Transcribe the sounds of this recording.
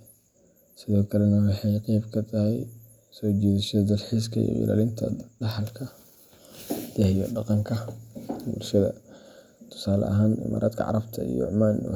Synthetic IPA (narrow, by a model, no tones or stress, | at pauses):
sɪðɔːkʰɐlɛnɐwɑħɑjqijbkʰɐt̪ʰɐhɛj | sɔːt͡ʃɛːðɪʃɐd̪ɐlħis̬kʰɐj̰ʔḭla̰ːlɪnt̪ʰɐ̰ɖɑħɑlkʰɐ | d̪̥ɐhjɔɖɑqɑŋkʰɐbulʃɐðɐ̰ | t̪ʰʊ̥saːlɐ̰ʔɐɦaːnɪ̰ma̰ːɾʔa̰ːd̪kʰɐ̰ʕɑ̰ɾɐbt̪ʰɐḭjɔ̰ʕʊmaːn